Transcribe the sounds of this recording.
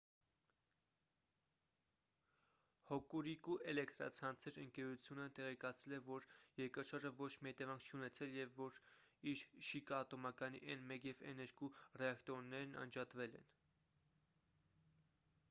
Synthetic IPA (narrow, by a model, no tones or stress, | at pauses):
hɔkuɾikuʔɛlɛkt̪ɾɑ̰t͡sʰɑnt͡sʰɛɾəŋkɛɾut͡sʰjunət̪ɛʁɛkɑt͡sʰɛlɛvɔɾjɛɾkɑʃɑɾd͡ʒəvɔt͡ʃʰmihɛt̪ɛvɑŋkʰt͡ʃʰiunɛt͡sʰɛljɛvːɔɾiɾʃikɑːt̪ɔmɑkɑnḭʔɛnmɛkjɛvɛ̰nɛɾkurɛɑkt̪ɾɔnːɛɾnɑ̰nd͡ʒɑt̪vɛlɛ̰n